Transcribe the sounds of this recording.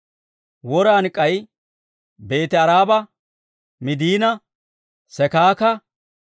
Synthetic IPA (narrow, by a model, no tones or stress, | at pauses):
wɔɾaːnɪkʼːɐj | be̞ːt̪ɪɐɾaːbɐ | mɪd̪iːnɐ | sɛkaːkɐ